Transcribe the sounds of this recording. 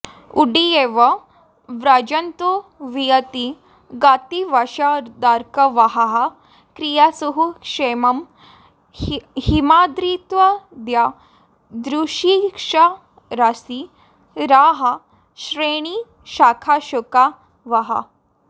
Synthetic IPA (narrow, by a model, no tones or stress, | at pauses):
uɖieːʋɐ | ʋɾad͡ʒɐnt̪uʋijɐt̪i | ɡaːt̪iʋɐʃad̪aːɾkɐʋɐɦɐɦɐ | kɾijasuɦukʂeːmɐm | himaːd̪ɾiːt̪ʋɐd̪ja | d̪ɾuʃikʂa | ɾasi | ɾaːɦɐ | ʃɾeɽ̃i | ʃaːkʰaʃuka | ʋɐɦɐ̰